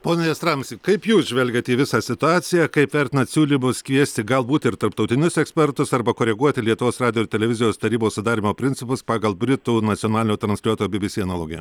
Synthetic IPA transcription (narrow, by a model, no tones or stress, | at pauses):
poːnʲɛɛst̪ɾɑmsʲikɐɪpjuːsʒʲʋʲɛlʲɡʲɛt̪ʲiːʋʲɪsɑːsʲɪt̪ʊɑːt̪sʲɪjækɐɪpʋʲɛɾʲt̪ʲɪnɐt̪sʲuːlʲiːmʊskʋʲiɛsʲt̪ʲɪɡɐlˠbuːt̪ʲɪɾt̪ɐɾpt̪ɐʊt̪ʲɪnʲʊsɛksʲpʲɛɾt̪ʊsɐɾbɐkoːɾʲɛɡuɔt̪ʲɪlʲiɛt̪ʊʋoːsrɑːdʲɪjoɪɾt̪ʲɛlʲɛʋʲɪzʲɪjoːst̪ɐɾʲiːboːssʊd̪ɑːɾʲiːmoːpʲɾʲɪnʲt͡s̪ʲɪpʊspɑːɡɐlˠbʲɾʲɪt̪uːnɐt̪t͡s̪sʲɪjoːnɑːlʲɪnʲoːt̪ɾɐnsʲlʲuɔt̪oːjoːbʲɪbʲɪsʲiːɐnɐlˠoːɡʲɪj